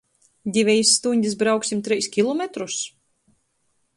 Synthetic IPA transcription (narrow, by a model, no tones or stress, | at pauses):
d̪ʲivʲɛjisːt̪uɲʲd̪ʲis̬bɾawksʲimt̪ɾɛjskʲilˠɔmɛt̪ɾus